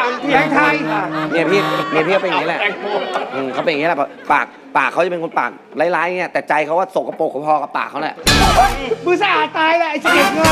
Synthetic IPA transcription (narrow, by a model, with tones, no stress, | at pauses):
ɛː˧˥˩ŋt̪ʰa˧jni˦˥˩ɐpʰiː˧˥˩ni˧˥˩pʰiː˥˩˦pjŋː˦˥lɛ˧˩˧ʔɯː˧˩kʰa˦˥wpe˧ji˦˥lpa̰ː˨˩k̚ | paː˨˩kʰːa˦˥wt͡ɕa˨pe˧nkʰnpa̰ː˨˩k̚ | la˦˥˩jlaː˦˥jʔa˧ŋːi˦˥ɐt̪ɛː˨˩t͡ɕa˧jkʰwaː˥˩so˨˩kːa˧˩po˨˩kʰːa˦˥pʰɔː˧ka˨˧˩pːa̰ː˨˩k̚ʰːa˦˥wlɛ˧˩ʔ | bɯː˧˩sa˧˩ʔaː˨˩t̪aː˧jlɛ˨˧˩ʔjsi˧ki˨˩t̪̚ŋə˧